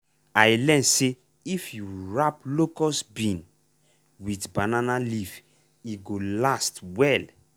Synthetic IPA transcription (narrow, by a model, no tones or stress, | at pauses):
ajlɛ̃nse | ifjuɹaplokɔsbĩn | witbananaliv | iɡolastwɛl